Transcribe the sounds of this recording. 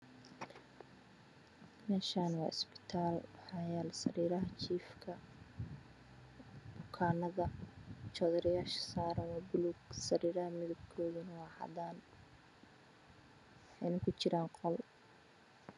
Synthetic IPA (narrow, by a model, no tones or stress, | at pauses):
mɛːʃaːnwɑ̰ːʔɪsbɪ̥t̪ʰaːlwɑħɑːjaːlɛsɐ̰ɾiːɾɐɦɐt͡ʃiːfkʰɐ | b̥ʊkʰaːnɐðɐt͡ʃɔðɐɾɪjaːʃɐ̥saːɾɐnɔbʊlʊɡsɐɾiːɾɐɦɐmɪðʊb̚kʰɔːðinɐwɑːħɑ̰d̪aːn | wɑħɑjnɐkʰʊt͡ʃɪɾaːŋqɔl